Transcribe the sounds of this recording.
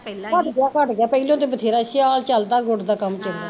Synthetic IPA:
kəʈɡeaːkəʈɡɪjaːpəilõːt̪eːbət̪ʰeːɾaːʃɪaːlt͡ʃəlt̪aːɡʊʈd̪aːkəmt͡ʃəlaː

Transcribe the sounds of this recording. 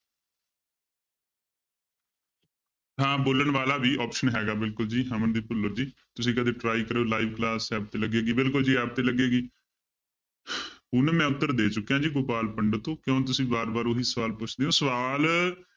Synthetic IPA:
ɦãːboːlənʋaːlaːbiːʔɔːpʃənɦɛːɡaːbɪlkʊld͡ʒiːɦãːmənd̪iːpʊlːəɾd͡ʒiː | t̪ʊsĩːkəd̪eːʈɾaːiːkəɾeːlaːiːʋklaːsɛːp̚t̪eːləɡeːɡiːbɪlkʊld͡ʒiːaːp̚t̪eːləɡeːɡiː | ɦʊnmɛ̃ːʊt̪ːəɾd̪eːt͡ʃʊkːjãːd͡ʒiːɡoːpaːlpəɳɖt̪õːkjõːt̪̬ʊsĩːbaːɾbaːɾoɦiːsəʋaːlpʊt͡ʃʰd̪eːɦõːsəʋaːl

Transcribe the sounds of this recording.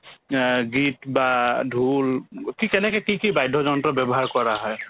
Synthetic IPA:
ɡitbadʱulkikɛnɛkɛkikibajdʱːɔzɔntɔbjɛbɔɦaɹkɔɹaɦɔj

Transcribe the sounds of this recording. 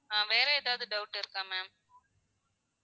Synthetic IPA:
ãːʋeːɾɐɛːðaːʋðɯɖɐʊʈːɪɾɯkːãːmeːm

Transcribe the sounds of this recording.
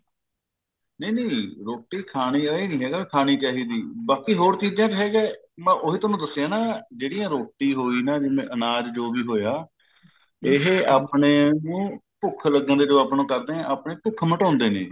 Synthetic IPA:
nəiːneːɾoːʈːiːkʰaːñiːəiːnĩːɦɛːɡaːbiːkʰaːñiːt͡ʃaːɦiːd̪iːbaːkiːɦoːɾt͡ʃiːd͡ʒãːt͡ʃɦɛːɡɛː | mãʔoɦiːt̪ʊnũːd̪əsːejãːnãːd͡ʒeːɽijãːɾoːʈːiːɦoːiːnaːd͡ʒɪmẽːʔənaːd͡ʒd͡ʒoːʋiːɦoːjaː | ɪɦaːpɳeːnũːpʊkʰləɡːə̃nd̪eːd͡ʒəʋaːpnõːkəɾd̪eːãːaːpɳeːpʊkʰməʈɔ̃ːnd̪eːnḛː

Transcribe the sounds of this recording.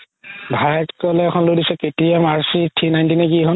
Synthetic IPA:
bʱajɛtkɔlɛːkʰɔnlodisɛketiɛmaɹsitʰinajntinɛkiɦɔn

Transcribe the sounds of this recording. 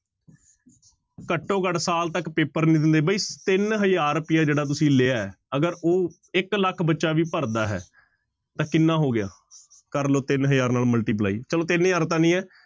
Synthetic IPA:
kəʈːõːkəɖsaːlt̪əkpeːpəɾnĩːd̪ɪ̃nd̪eːbəiːt̪ɪnɦəjaːɾpɪjaːd͡ʒeːɽaːt̪̬ʊsĩːleːaːɛ | əɡəɾoː | ɪkləkʰbətːʃaːʋiːpəɾd̪aːɦɛ̰ː | t̪ãːkɪnːãːɦoːɡɪja̰ː | kəɾloːt̪ɪnɦəjaːɾnaːlməlʈiːp̬laːḭːt͡ʃəloːt̪ɪnɦəjaːɾt̪̬ãːnĩːɛː

